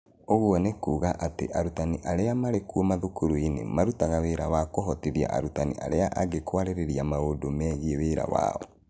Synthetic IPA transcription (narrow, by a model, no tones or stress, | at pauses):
oɣuɔnekuːɣaʔatḛʔaɾutaniʔaɾeamaɾekuomaðukuɾuinḛmaɾutaɣaweɾawakoɦɔtiðia̰ʔa̰ɾutanḭʔa̰ɾeaʔaɣekwaɾeɾeɾiamaodomɛːɣieweːɾa̰wa̰ːɔ̰